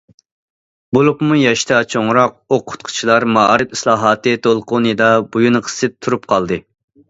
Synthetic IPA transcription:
bolˠupmujɑʃt̪ʰɑt͡ʃʰoŋɾɑq̚oqʰːʊ̥t̪̚qʰʊ̥t͡ʃʰilˠɑɾmɑɾɨt̪islˠɑːɦɑːt̪ɨt̪ʰolˠqʊnɨd̪ɑbujunqʰə̥sɨp̚t̪ʰːuɾup̚qʰɑlˠd̪ɨ

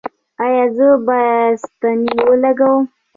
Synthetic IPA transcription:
ajɑzəbast̪aniwəlaɡawə

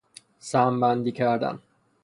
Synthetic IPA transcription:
sæːmbænd̪iːcʰæɾd̪æ̰n

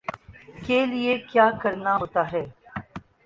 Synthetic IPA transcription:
keːlɪekjaːkəɾnaɦoːt̪aːɦɛː

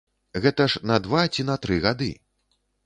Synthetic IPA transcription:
ɣɛt̪ɐʂnɐd̪vat͡sʲinɐt̪ɾɨɣad̪ɨ̰

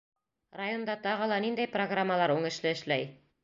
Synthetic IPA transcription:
rajo̞nd̪ɑt̪ɑʁɤ̆lˠɑnind̪æjproɡramːəlˠɑɾuŋɘ̆ʃlɘɘ̆ʃlæj

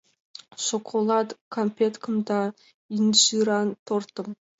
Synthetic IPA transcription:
ʃokʰolˠɑt̪kʰompʲet̪kʰəmd̪ɑ | inʒiɾɑnt̪ʰoɾt̪əm

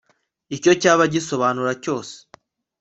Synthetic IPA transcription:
ico̞caːβaɟiso̞βaːnuɾaco̞ːse̥

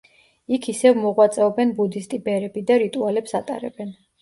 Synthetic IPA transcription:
ikʰisɛvmɔʁwat̪sʼɛɔbɛnbud̪ist̪ʼibɛɾɛbid̪aɾit̪ʼualɛpsat̪ʼa̰ɾɛ̰bɛn

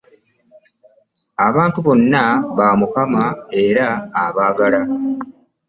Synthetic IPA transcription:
aβaːntuβo̞nːaβaːmukamae̞ɾaːβaːɡala

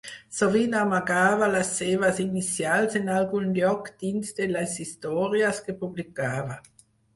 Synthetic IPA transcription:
soviːnamaɡaːvalasːeːvasinit̪sjalsinalɡunljɔkd̪̥insd̪elasist̪ɔːɾjaskepublikaːva

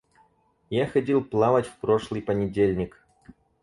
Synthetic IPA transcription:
jaxɐdʲilˠplˠavətʲfpɾoʂlˠɨjpənʲɪdʲelʲnʲɪk

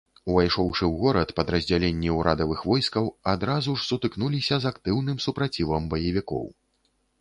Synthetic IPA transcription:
uvajʂɔwʂɨwɣɔɾɐt̪pɐd̪ɾɐzʲd͡zʲalʲenʲːiwɾad̪ɐvɨxvɔjskɐwad̪ɾazuʂsut̪ɨknulʲisʲɐzakt̪ɨwnɨmsupɾat͡sʲivɐmbɐjɐvʲikɔ̰w

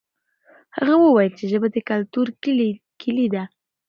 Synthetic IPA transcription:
ha̰ɣawəwajəlt͡ʃeʒəbad̪əkalt̪uɾ | kʰɪlid̪a

